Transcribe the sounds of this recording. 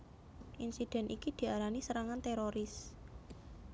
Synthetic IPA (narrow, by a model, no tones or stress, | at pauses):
ʔinsid̥ɛ̤nʔikid̪̥i̤aɾanisəɾaŋant̪eɾoɾɪs